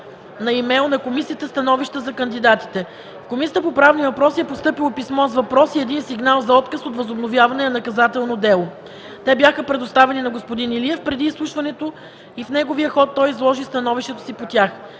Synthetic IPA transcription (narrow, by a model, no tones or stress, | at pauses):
nɐimɛlˠnɐkomisiət̪əst̪ɐnɔviʃt̪əzɐkənd̪id̪at̪i̥t̪ɛ | fkomisʲiət̪əpopɾavnivɐpɾɔsiɛpost̪ɤpilˠopismɔzvɐpɾɔsiɛd̪insiɡnalˠzɐɔt̪kəsot̪vɐzobnovʲjavɐnɛnɐkɐzat̪ɛlˠnod̪ɛlˠo | t̪ɛbjaxəpɾɛd̪ost̪avɛninɐɡospod̪iniliɛfpɾɛd̪iːslˠuʃvɐnɛt̪o | ifnɛɡoviəxɔt̪ːɔjzlˠɔʒist̪ɐnɔviʃt̪ɛt̪o̥sipot̪ʲjax